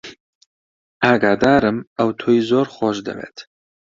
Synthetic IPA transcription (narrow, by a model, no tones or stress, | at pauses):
aːɡaːd̪aːɾɨmɐwt̪ʰoːjizoːɾχoːʃd̪ɐ̰vḛːt̪